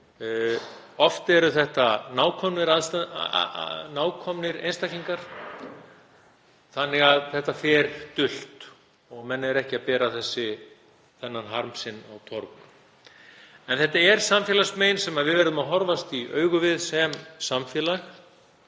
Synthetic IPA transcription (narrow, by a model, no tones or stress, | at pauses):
ɔft̪ɛɾʏθɛht̪anaːwkʰɔmnɪɾaðst̪ | naːwkʰɔmnɪɾḛjnst̪ajcliŋkaɾ̥ | θanːɪɣaðθɛht̪afɛːɾt̪ʏl̥t̪ | ɔɣmɛnːɛɾɛhcɪapɛːɾaθɛsːɪ | θɛnːanɦaɾmsɪnːawt̪ʰɔɾk | ɛnθɛht̪ːaɛɾ̥samfjɛːlasmeːjnsɛmaðvɪðvɛɾðʏmaɦɔɾvast̪iʔœːɥɣʏvɪðsɛmsamfjɛːlax